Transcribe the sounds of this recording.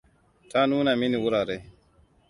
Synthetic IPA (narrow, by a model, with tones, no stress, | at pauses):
tʰa˦nuː˦na˨mi˦ni˨wu˦ɾa˨ɾe˨